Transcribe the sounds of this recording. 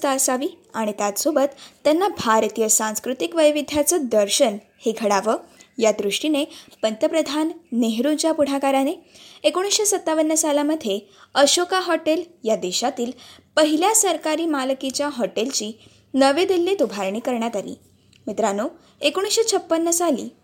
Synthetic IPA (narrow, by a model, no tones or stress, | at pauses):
t̪aəsaʋiːaɽ̃it̪jat̪sobət̪ːjanːabʱaɾt̪ijəsãñskɾut̪ikʋəjʋid̪ʱjat͡səd̪əɾɕən | heɡʱəɽaʋəːjad̪ɾuʂʈinepənt̪jəpɾəd̪ʱanːeɦɾut͡ɕjapuɽ̤akaɾaneekoɽ̃isɕesət̪ːaʋənːəsalaməd̪ʱːje | əɕokaɦɔʈeljad̪eɕat̪iːlpəɦiljasəɾkaɾiːmalkit͡ɕjaɦɔʈelt͡ɕiː | nəʋed̪ilːet̪ubʱaɾɳiːkəɾɳjat̪aɾḭː | mit̪ɾano | ekoɽ̃isɕet͡sʰəpːənːəsalḭː